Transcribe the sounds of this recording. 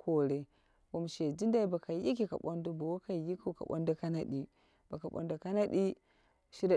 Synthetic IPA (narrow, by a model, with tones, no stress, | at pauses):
kʰo˦˨ɾe˦ | wo˨m˨ʃe˨d͡ʒi˦nda˦i˦ba˨ka˨ji˦ki˨ka̰˨ɓo˦ndo˦ba˨wo˦ka˨ji˦ku˦˨ka̰˨ɓo̰˦nda˦ka˦na˦di˦ | b̥a˨ka˨ɓo̰˨ndo˨ka˦na˦ɗi˦ | ʃi˦ɾ